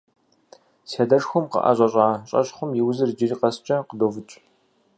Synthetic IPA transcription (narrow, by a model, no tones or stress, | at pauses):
sɐdɐʂxʷʊmqə̰ʔɐ̰ʑʷʼɐɕʼaːɕʼɐ̰ɕχʷʊmjɪwzɨrd͡ʒɪriːqɐst͡ʃʼɐqədoːvɨt͡ʃʼ